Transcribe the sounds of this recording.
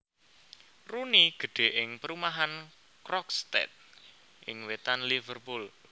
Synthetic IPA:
runiɡ̥ə̤ɖ̪̥e̤ʔɪŋpəɾumaɦan | kɾɔkst̪ɛ̰t̪̚ | ʔɪ̰ŋwet̪anlivərpul

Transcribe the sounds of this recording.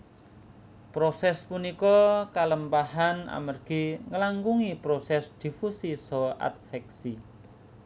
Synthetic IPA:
pɾosɛspunikɔkaləmpahana̰mərɡ̥i̤ŋəlaŋɡuŋipɾosɛsd̪̥i̤fusisɔa̰t̪̚fɛk̚si

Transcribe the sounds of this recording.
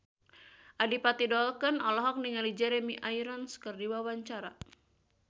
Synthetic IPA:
ʔadipat̪idɔlkənɔlɔɦɔk̚niŋalid͡ʒɛɾɛmiʔajɾɔnskɨrdiwawaɲt͡ʃaɾa̰

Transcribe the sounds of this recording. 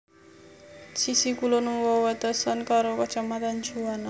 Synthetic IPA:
sisikulonuwɔwɛt̪əsankaɾokət͡ʃamat̪and͡ʒuana

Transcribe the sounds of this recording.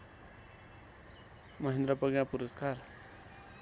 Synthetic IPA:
mʌɦend̪ɾʌpʌɡjãpuɾʌskar

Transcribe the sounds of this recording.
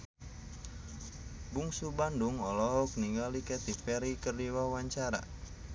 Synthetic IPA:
buŋsubanduŋɔlɔɦɔk̚niŋalikɛt̪ifɛɾikərdiwawaɲt͡ʃaɾa̰

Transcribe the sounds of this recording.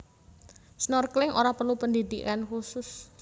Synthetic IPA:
snɔrklɪŋʔoɾapərlupənd̪id̪ikankusʊs

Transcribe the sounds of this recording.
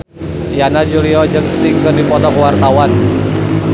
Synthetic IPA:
ijanad͡ʒuliɔd͡ʒəkst̪iŋkɨrdipɔt̪ɔkwart̪awan

